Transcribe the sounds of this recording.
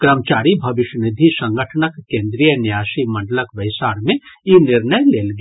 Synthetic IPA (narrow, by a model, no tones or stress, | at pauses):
kɾəmət͡ʃaːɾibʱɐʋɪʃnɪd̪ʱisə̃ŋɡəʈʰənəkːẽːnd̪ɾijənɪjasiməɳɖələkʋəɪsaːɽmẽjinɪɾnəjleːlɡ